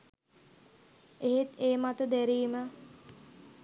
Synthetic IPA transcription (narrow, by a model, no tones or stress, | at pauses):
eɦet̪eːmat̪əd̪æɾiːmə